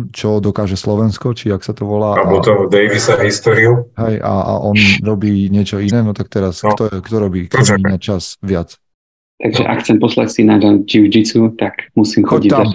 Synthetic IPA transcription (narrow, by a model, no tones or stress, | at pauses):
t͡ʃɔd̪ɔkaːʒɛslɔʋɛnskɔt͡ʃiaksat̪ɔʋɔlaːabɔt̪ɔd̪ɛjʋisaɦist̪ɔːɾiuɦɛja̰a̰ʔɔnɾɔbiːɲɪɛt͡ʃɔinɛːnɔt̪akt̪ɛɾaskt̪ɔɛkt̪ɔɾɔbiːkɔnat͡ʃazʋɪat͡s | t̪aɡʒɛ̰ʔa̰kxt͡sɛmpɔsla̰csinad͡ʒad͡ʒiʊd͡ʒit͡sut̪akmusiːmxɔɟit̪aa